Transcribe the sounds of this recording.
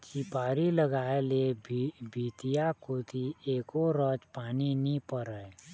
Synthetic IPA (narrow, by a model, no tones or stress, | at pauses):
t͡ʃipaːɾiləɡaːelebʱibʱiːt̪ijakoːt̪ʰieːkoɾɔːt͡ʃpaːninipəɾə